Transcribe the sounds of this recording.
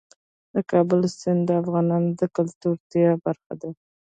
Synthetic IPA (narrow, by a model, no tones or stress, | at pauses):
d̪əkɑbʊlsɪnd̪əafɣɑnɑnd̪əkʊlt̪uɾt̪ijabaɾxa̰d̪a